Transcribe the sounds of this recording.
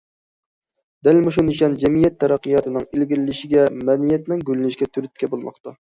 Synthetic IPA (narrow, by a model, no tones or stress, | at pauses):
d̪̥ɛlmuʃuniʃɑnd͡ʒɛmijɛt̪ʰːɛɾɑqːɨjɑːt̪ʰɨnɨŋilɡʲilɪlːɪʃiɡʲɛmɛd̪ijɛt̪nɪŋɡʲylnɪʃɡʲɛt̪ʰyɾyt̪̚kʲʰɛbolˠmɑ̰qt̪u